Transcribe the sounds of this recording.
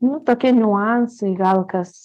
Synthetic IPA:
nʊt̪oːkʲiɛnʲuɑnsɐɪɡɐlˠkɐs

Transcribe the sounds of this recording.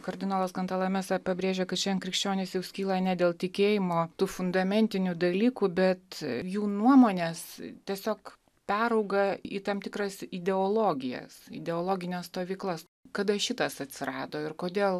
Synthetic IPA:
kɐɾʲd̪ʲɪnoːlˠɐskɐnt̪ɐlˠɐmʲɛːsɐpɐbʲɾʲeːʒʲɛkɐt̪t͡ʃʲɛnkɾʲɪkʃʲt͡ʃʲoːnʲesjɛʊsʲkʲiːlˠɐnʲɛd̪ʲeːlˠt̪ʲɪkʲeːjɪmoːt̪uːfʊnd̪ɐmʲɛnʲt̪ʲɪnʲud̪ɐlʲiːkuːbʲɛt̪juːnuɔmoːnʲeːst̪ʲiɛsʲoːk | pʲæːɾɐʊɡɐḭt̪ɐmt̪ʲɪkɾɐsɪd̪ʲɛolˠoːɡʲɪjɛ̰sɪ̰d̪ʲɛoːlˠoːɡʲɪnʲɛst̪oːʋʲiːklˠɐs | kɐd̪ɐʃʲɪt̪ɐsɐt̪ʲsʲɪɾɑːd̪oːɪrkoːd̪ʲeːlˠ

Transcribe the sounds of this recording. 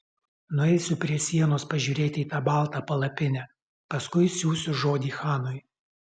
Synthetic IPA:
nʊɛɪsʲʊpʲɾʲiɛsʲiɛnoːspɐʒʲuːɾʲeːt̪ʲɪiːt̪ɑːbɑˑlˠt̪ɑːpɐlˠɐpʲɪnʲæ | pɐskʊɪsʲuːsʲʊʒoːd̪ʲiːxɑːnoj

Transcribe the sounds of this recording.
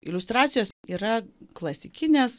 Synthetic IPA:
ɪlʲʊst̪ɾɑːt̪sʲɪjoːsiːɾɐklˠɐsʲɪkʲɪnʲeːs

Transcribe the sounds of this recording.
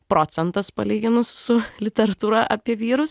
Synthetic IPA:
pɾoːt̪sʲɛnt̪ɐspɐ̰lʲiːɡʲɪnʊsːʊlʲɪt̪ʲɛɾɐt̪uːɾɐʔɐpʲiɛʋʲiːɾʊs

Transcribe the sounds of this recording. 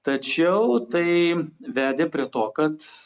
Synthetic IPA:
t̪ɐt͡ʃʲɛʊt̪ɐɪʋʲæːd̪ʲeːpʲɾʲiɛt̪oːkɐt̪

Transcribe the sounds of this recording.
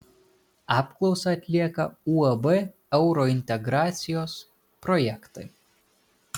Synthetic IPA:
ɑːpklˠɒʊsɐɐt̪ʲlʲiɛkɐuːɐbɛ | ɛʊɾɔɪnʲt̪ʲɛɡɾɑːt̪sʲɪjoːs | pɾɔjɛkt̪ɐɪ

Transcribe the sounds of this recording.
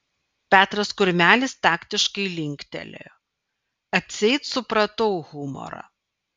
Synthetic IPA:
pʲæːt̪ɾɐskʊɾʲmʲæːlʲɪst̪ɑːkt̪ʲɪʃkɐɪlʲɪŋʲkt̪ʲɛ̰lʲḛj | ɐt̪ʲsʲɛɪt̪sʊpɾɐt̪ɐʊɣʊmɔ̰ɾɐ̰

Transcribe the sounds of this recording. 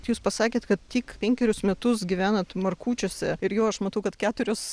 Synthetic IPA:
tjuːspɐsɑːkʲeːt̪kɐt̪̚tʲiːkpʲɛŋʲkʲɛɾʲʊsmʲɛt̪ʊsɡʲɪʋʲæːnɐt̪mɐrkuːt͡ʃʲoːsʲɛɪɾjoːɐʃmɐt̪ɐʊkɐt̪kʲæːt̪ʊɾʲoːs

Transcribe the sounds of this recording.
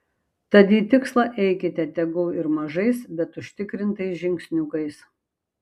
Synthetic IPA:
t̪ɐd̪ʲiːt̪ʲɪkslˠɐʔɛɪkʲɪt̪ʲɛt̪ʲɛɡɐːɪɾmɐʒɐɪsbʲɛt̪ʊʃʲt̪ʲɪkɾʲɪnt̪ɐɪsʒʲɪŋʲksʲnʲʊkɐɪs

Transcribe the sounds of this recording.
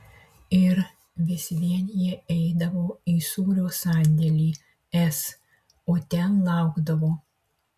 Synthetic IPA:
ɪɾ | ʋʲɪsʲʋʲiɛnʲɪjɛɛjd̪ɐʋoːiːsuːɾʲoːsɑːnʲd̪ʲɛlʲiː | ɛs | ot̪ʲɛnlˠɑˑʊɡd̪ɐʋoː

